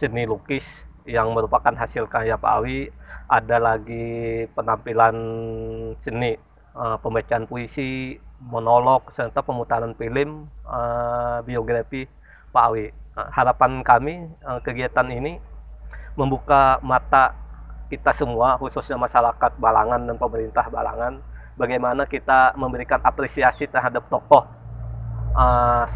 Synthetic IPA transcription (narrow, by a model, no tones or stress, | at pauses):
sənilukɪs | jaŋməɾupakanɦasilkajapa̰a̰wiʔadalaɡipənampilan | səni | əpəmbat͡ʃaanpoisimonolɔk̚sət̪apəmut̪ananfilɪməbioɡɾafi | paawihaɾapankamiəkəɡiat̪anini | məmbukamat̪akit̪asəmuahususɲamaʃaɾakat̪̚bala̰ŋandanpəməɾint̪ahba̰la̰ŋan | baɡajmanakit̪aməmbəɾikanʔapɾesiasit̪ərɦadap̚t̪ɔkɔh | ə